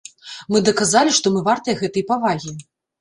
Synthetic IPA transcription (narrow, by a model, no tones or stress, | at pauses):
mɨd̪ɐkazalʲiʂt̪ɔmɨvart̪ɐjɐɣɛt̪ɐjpavaɣʲi